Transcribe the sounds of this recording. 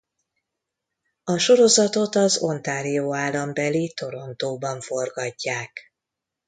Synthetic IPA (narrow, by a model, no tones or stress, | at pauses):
ɒʃo̞ɾo̞zɒt̪o̞t̪ɒzo̞̰nt̪aːɾijoːaːlːɒmbɛlit̪o̞ɾo̞nt̪oːbɒɱfo̞rɡɒɟːaːk